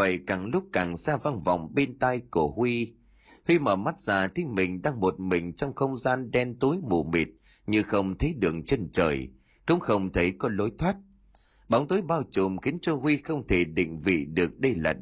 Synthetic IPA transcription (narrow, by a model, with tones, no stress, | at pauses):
ə̰˧˨jkaː˨˩ŋlʊ˦˥k͡p̚kaː˨˩ŋsaː˧va˧nva̰˧˨wŋ͡mɓe˧nt̪a˧jku˧˩əhwi˧ | hwi˧məː˧˩ma˦˥t̚z̥aː˨˩t̪ʰi˨˧mï˨˩ŋ̟ɗaː˧ŋmo˨˩t̚mï˨˩ŋ̟t͡ɕɔ˧wŋ͡mxə˧wŋ͡mzaː˧nɗɛ˧nt̪o˨˦jmṵ˧˨˩mḭ˨˩t̚ | ɲɨ˧xə˧wŋ͡mt̪ʰə˨˦jɗɨ˨˩ək̚t͡ɕe˧nt͡ɕə̰ː˨˩j | kʊ̰˧˥ŋ͡mxə˧wŋ͡mt̪ʰə˨˦jkɔ˨˦lo˨˦jt̪ʰwaː˦˥t̚ | ɓa˨˦wŋ͡mt̪o˨˦jɓaː˧wt͡ɕʊ˨˩mxi˨˦ənt͡ɕɔ˧hwi˧xə˧wŋ͡mt̪ʰe˧˩ɗḭ˧˨ŋ̟vḭ˧˨ɗɨ˨˩ək̚ɗə˧jla̰ː˨˩